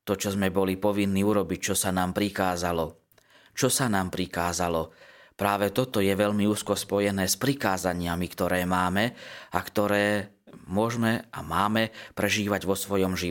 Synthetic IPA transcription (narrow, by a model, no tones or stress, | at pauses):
t̪ɔt͡ʃɔzmɛbɔlipɔʋinːiːuɾɔbic̚t͡ʃɔsanaːmpɾikaːzalɔ | t͡ʃɔsanaːmpɾikaːzalɔpɾaːʋɛt̪ɔt̪ɔjɛʋɛʎmiuːskɔspɔjɛnɛːspɾikaːzaɲɪamikt̪ɔɾɛːmaːmɛakt̪ɔɾɛː | mʊɔʒmɛʔa̰maːmɛpɾɛʒiːʋaɟʋɔsʋɔjɔmʒi